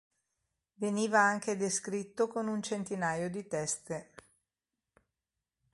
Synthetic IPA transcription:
veniːvaaŋked̪eskɾit̪ːokonunt͡ʃent̪inaːjod̪it̪ɛst̪e

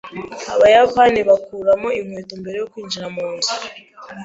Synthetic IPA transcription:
aβajapaːniβakuːɾamo̞imweːtombe̞ɾe̞jo̞kwiːnd͡ʒiɾamuːnzu

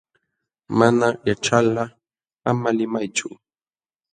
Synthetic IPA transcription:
manajaʈ͡ʂala | amalɪmajt͡ʃʊ

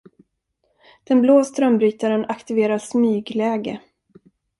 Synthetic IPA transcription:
d̪̥ɛnbloːst̪ɾœmbɾyːt̪aɾənakt̪ɪveːɾasmyːɡlɛːɡə

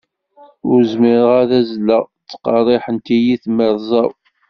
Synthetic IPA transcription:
ʊɾzmɪɾəʁæðæzlːət͡sːqɑrˤeħənt̪ijiθməɾzˤɑw

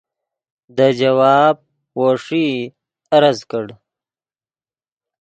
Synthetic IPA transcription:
d̪əd͡ʒɐwɑːb̚ | woːʂi | ɐɾɐzkəɽ

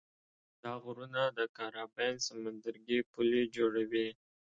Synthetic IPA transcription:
d̪̥ɑɣɾunad̪əkɑɾɑbɛnsamand̪əɾɡipuled͡ʒoɽawi

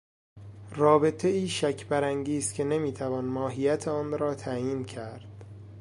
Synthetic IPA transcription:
rɒːbe̞t̪ʰeiːʃæcʰbæɾæŋɟiːskcʰe̞ne̞miːt̪ʰævɒːnmɒːɦijæt̪ʰeɒːnɾɒːt̪ʰæjiːncʰæɾd̪̥

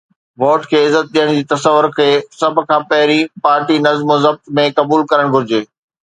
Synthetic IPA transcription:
ʋoːʈkʰeːɪzːət̪̚ɗijəɽ̃d͡ʑiːt̪ɐsəʋːʊɾkʰeːsɐb̆ʱkʰãːpɐɦɪɾipaːɾʈinɐzmozɐb̚t̪mẽkɐbuːlkɐɾəɽ̃ɡʱʊɾɪd͡ʑeː

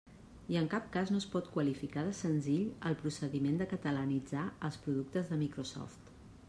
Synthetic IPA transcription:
iəŋkap̚kaznoəspɔt̪kwəlifikaðəsənziʎəlˠpɾusəðimend̪əkət̪ələnid͡zaəlˠspɾuðuk̚t̪əzðəmikɾosɔ̰ft̪

